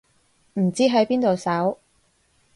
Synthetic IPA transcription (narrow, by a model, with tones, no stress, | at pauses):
m̩˨˩t͡siː˥ɦɐ˨˥jpiː˥nt̪o˨wsɐ˨˥w